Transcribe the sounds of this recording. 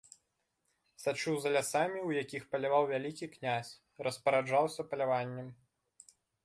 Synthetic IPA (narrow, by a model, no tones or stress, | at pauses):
sat͡ʂuwzɐlʲasamʲiwjakʲixpɐlʲavawvʲalʲikʲiknʲasʲ | rɐspɐɾad͡ʐawsʲɐpɐlʲavanʲːɛm